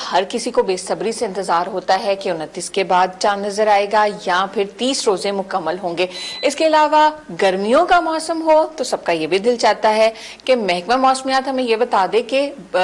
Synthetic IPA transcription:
hɐɾkɪsikobeːsɐbɾiseɪ̃nt̪ɪzaːɾɦoːt̪aɦɛkeʊnət̪ːiːskebaːd̪̚t͡ʃãːnːɐzəɾaːeːɡajapʰɪɾt̪iːsɾoːzẽmʊkəmːəlɦõːŋɡeːɪskeɐlaːʋaɡɐɾmijõkamɔːsəmɦoːt̪osɐb̚kajebʱid̪ɪlt͡ʃaːt̪aɦɛ | kemɛɦkmemɔːsmijaːt̪ɦɐmẽjebɐt̪aːd̪ẽke

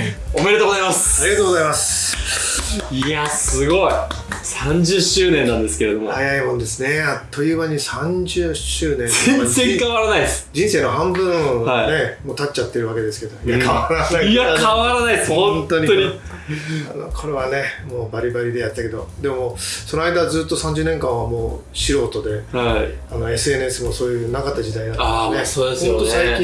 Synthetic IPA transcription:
omeɾet̪oːɡozaimasaɾiɡat̪oːɡo̞zaimasɨ̥ | iasɨɡo̞i | sãɲ̟d͡ʑɨɕɨːnẽnːãnd̪esɨ̥ke̞ɾed̪o̞mohajaimo̞nd̪e̞sɨne̞at̪ʰːo̞jɯ̟ːβaɲ̟isãɲd͡ʑɨːɕɨːnẽ̞zẽnzẽkaaɾanaiesd͡ʑĩɰ̃seːno̞ɦãmbɯ̟̃aine̞mot̪att͡ɕt͡ɕːat̪ːe̞ɾɯ̟βake̞d̪e̞sɨ̥ke̞d̪o̞iakʰaβaɾanaiakaβaɾanaisõnt̪o̞ɲ̟ioɲi | anokʰo̞ɾe̞βane̞mo̞ːbaɾʲibaɾʲid̪e̞jat̪ːake̞d̪o̞̰d̪e̞mo̞sono̞aid̪ad͡zɨːt̪ːo̞sãɲ̟d͡ʑɨːneŋkãɰ̃βamo̞ː | ɕiɾo̞ːt̪o̞d̪e̞haano̞e̞sɨe̞nɯesɨmo̞so̞ːjɯnakat̪ːad͡ʑid̪ainat̪ːaneoesõnt̪osaikʲĩ

